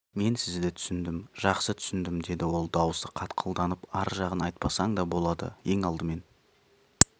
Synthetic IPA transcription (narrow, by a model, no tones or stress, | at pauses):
me̞nsɪzd̪ɪt̪ʰʏ̥sɪnd̪ɪmʒ̥ɑqsət̪ʰʏ̥sɪnd̪ɪmd̪e̞d̪ɪwo̞lˠd̪ɑwəst̪əqʰɑt̪qʰəlˠd̪ɑnəpɑɾʒɑʁənɑjt̪̚pɑsɑɴd̪ɑbo̞lˠɑd̪ə̰je̞ŋɑlˠd̪əme̞n